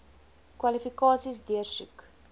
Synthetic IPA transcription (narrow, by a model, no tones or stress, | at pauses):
kwɐlifikɑːsisdiərsʉ̰k